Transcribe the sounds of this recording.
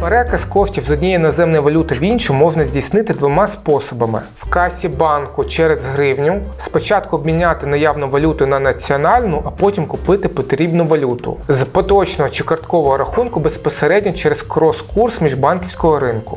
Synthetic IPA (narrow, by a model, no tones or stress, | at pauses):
peɾɛkɐskɔʃtʲiwzɔdʲnʲijinɔzɛmnɔjiʋɔlʲut̪ɪʋʲinʲʃʊmɔʒnɐzʲdʲijsnɪt̪ɪd̪ʋɔmɑspɔsɔbɐmɪ̰ | wkɑsʲibɑnkʊt͡ʃɛɾɛzɦɾɪwnʲʊspɔt͡ʃɑt̪̚kʊɔbʲmʲinʲːat̪ɪnɐjɑwnʊʋɐlʲut̪ʊnɐnɐt͡sʲiɔnɑlʲnʊʔɐpɔtʲimkʊpɪt̪ɪpɔt̪ɾʲibnʊʋɐlʲut̪ʊ̰zpɔt̪ɔt͡ʃnɔɦɔt͡ʃɪkɐrt̪kɔʋɔɦɔɾɐxunkʊbespɔseɾɛdʲnʲɔt͡ʃɛɾeskɾɔskursmʲiʒbɑnkʲiwsʲkɔɦɔɾɪnkʊ